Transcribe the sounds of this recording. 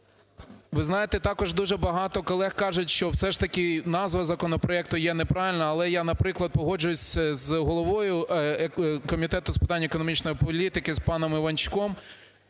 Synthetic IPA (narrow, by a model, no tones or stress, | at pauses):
ʋɪznɑjet̪ɛt̪ɑkɔʒd̪uʒɛbɐɦɑt̪ɔkɔlˠɛxkɑʒʊtʲʃt͡ʃɔwsɛʃt̪ɐkʲɪnɑzʋɐzɐkɔnɔpɾɔɛk̚t̪ʊjɛnɛpɾɑʋʲɪlʲnɐːlˠɛjɑnɐpɾɪklˠɐd̪̚pɔɦɔd͡ʒʊjʊsʲzɦɔlˠɔʋɔjʊ | kɔmʲit̪ɛt̪ʊspɪ̥t̪ɑnʲːɐekɔnɔmʲit͡ʃnɔjipɔlʲit̪ɪkɪspɑnɔmɪʋɐnʲt͡ʃʊ̥kɔm